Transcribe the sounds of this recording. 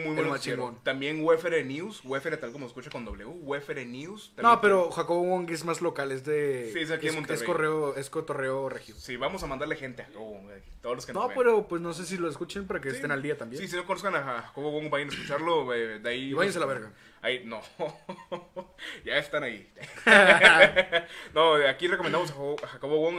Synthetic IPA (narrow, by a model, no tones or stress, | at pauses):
mujβwenmat͡ʃiɡont̪ambje̞nɡwefeɾenjuswefeɾet̪alkomoseskut͡ʃako̞nd̪o̞βleuɣwefeɾenjusst̪anope̞ɾo̞xakoβoɣoŋɡezmazlo̞kale̞zðeiesakiðeemoneekoreoeskot̪oreorexjusiβamosamãnd̪aɾlexe̞nt̪eaxakoβowoŋɡeet̪oðoloskenope̞ɾopwe̞sno̞s̬es̬iloeskut͡ʃenpaɾakeːsst̪enald̪iat̪ambjesis̬inoko̞noskanaaxakoβoɣwoŋbajanaeskut͡ʃaɾloed̪eaiβajans̬elaβeɾɣa | aino | ʝaest̪anai | noakirekomend̪amos̬aaxakoβoɣoŋ